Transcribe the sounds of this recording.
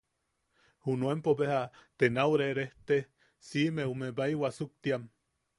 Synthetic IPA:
hunuempoβehat̪enawɾeɾeht̪e | simeumebaiwasuk̚t̪iam

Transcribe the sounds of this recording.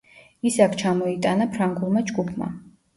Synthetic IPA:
isakʰt͡ʃʰamɔit̪ʼanapʰɾaŋɡulˠmad͡ʒɡupʰma̰

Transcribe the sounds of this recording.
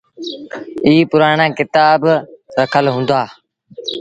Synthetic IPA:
iːpʊɾaːɳãːkɪt̪aːbɾəkʰəlɦũːnd̪aː

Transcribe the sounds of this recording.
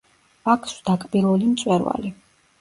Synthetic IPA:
akʰsd̪̥akʼbilˠulimt̪sʼwɛɾva̰li

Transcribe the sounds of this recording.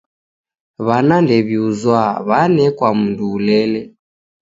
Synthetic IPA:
βanandɛβiuzwaβanɛkwam̩nduːlɛlɛ

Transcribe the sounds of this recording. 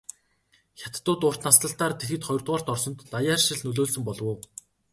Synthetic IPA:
xʲat̪ːʊːt̪ʊːr̥t̪nast̪ə̆ɬt̪aːrt̪ʰet̪xɘ̆t̪χɔj̆rt̪ʁaːr̥t̪ɔrsɞ̆nt̪ːajaːrʃɪ̆ɮnɵɮoːɮsɵ̆mpɔɮwʊː

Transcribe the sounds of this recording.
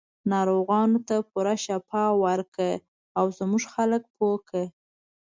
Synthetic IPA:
nɑɾoɣɑnot̪apuɾaʃapɑwaɾkə | awzmuʒxalək̚pokʰə

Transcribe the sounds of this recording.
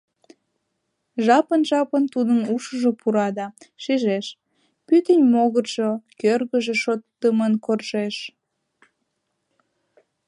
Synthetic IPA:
ʒɑpənʒɑpənt̪ud̪ənuʃəʒopuɾɑd̪ɑʃiʒeʃ | pyt̪ənʲmoɣərʒokørɣəʒeʃot̪ːəmənkorʒeʃ

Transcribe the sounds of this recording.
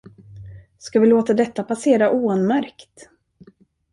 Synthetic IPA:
skavɪloːt̪ad̪ɛt̪ːapʰaseːɾaʔuːɛnmæɾkt̪

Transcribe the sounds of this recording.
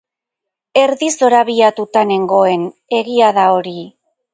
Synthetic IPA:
e̞ɾðiso̞ɾaβiat̪ut̪ane̞ŋɡo̞e̞ne̞ɣiaðao̞ɾi

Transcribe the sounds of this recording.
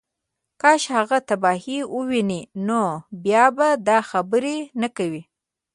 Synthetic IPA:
kɑʃhaɣat̪abɑhiwəwininobjɑbad̪ɑxabəɾenakawi

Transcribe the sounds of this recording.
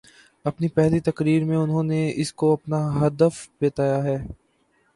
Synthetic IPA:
ɐpnipɛɦlit̪ɐkɾiːɾmẽʊnɦõneɪskoɐpnaɦɐd̪əfbeːt̪aːjaɦɛː

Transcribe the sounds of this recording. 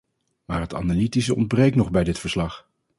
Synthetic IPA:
maːɹɦəta̰nalitisəɔ̰ndbrejknɔχbɛjdɪtfəɹslɑχ

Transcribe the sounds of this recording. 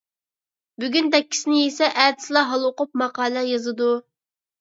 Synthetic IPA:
byɡʲynd̪ɛkʲːʰi̥sɪnɪjesɛʔæt̪ɪ̥slˠɑɦɑlˠʊqʊp̚mɑqɑːlˠɛjɑzɨd̪u

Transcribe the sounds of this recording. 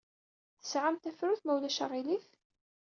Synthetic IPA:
θə̥sʕamt̪æfɾuθmæwlæʃə̰ʁiliθ

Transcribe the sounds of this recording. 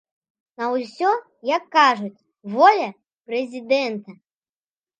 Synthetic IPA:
nɐwsʲɔ | jɐkːaʐut͡sʲ | vɔlʲɐ | pɾɛzʲid̪ɛnt̪ɐ

